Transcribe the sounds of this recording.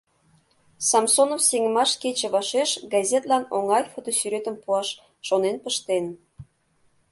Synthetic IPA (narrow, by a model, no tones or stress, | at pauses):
sɑmsonofseŋə̆mɑʃket͡ɕĕβɑʃeʃɡɑzʲet̪lɑnoŋɑjfot̪osyɾet̪ə̆mpuɑʃː | onenpəʃt̪en